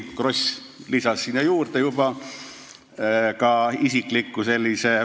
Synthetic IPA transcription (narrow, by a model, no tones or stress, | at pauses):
kro̞sʲ | lisɑsːinːɑjuːrt̪ejub̥ɑ | kɑisiklikːuse̞lʲːise